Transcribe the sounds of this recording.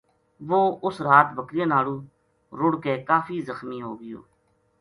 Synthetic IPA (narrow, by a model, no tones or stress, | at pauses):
ʋoːʊsɾaːt̪bəkɾɪjãːnaːlũː | ɾʊɽkeːkaːfʰiːzəxmiːɦo̰ːɡɪjo̰ː